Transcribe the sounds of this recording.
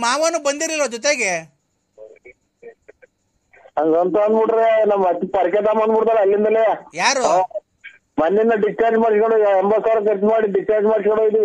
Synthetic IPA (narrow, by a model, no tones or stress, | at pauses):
maːʋɐːnubɐnd̪iɾiɾoːd̪ut̪̬eːɡe | ɐŋɡɔnt̪ɐɐnd̪buʈɾeanamɐt̪ːipɐɾket̪aːmɐnd̪buʈt̪aːɾeɐlːind̪ɐleajaːɾo | mɐnːinːɐɖisʈaːɾd͡ʒmaːɽskoɳɖoːɛmbɐsaːɾɐk̬eɾt͡ʃmaːɽiɖisʈaːɾd͡ʒmaːɽsikoɳɖoːid̪ii